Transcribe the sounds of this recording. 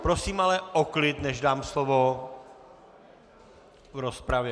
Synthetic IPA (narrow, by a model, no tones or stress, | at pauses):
pɾosiːmalɛʔoklɪt̪nɛʒdaːmslovo | vɾo̞spɾavjɛ